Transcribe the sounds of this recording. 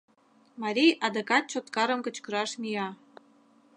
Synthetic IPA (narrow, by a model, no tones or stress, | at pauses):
mɑɾʲijɑd̪ɤ̆kɑt̪̚t͡ɕot̪kɑɾə̆mkə̆t͡ɕkə̆ɾɑʃmijɑ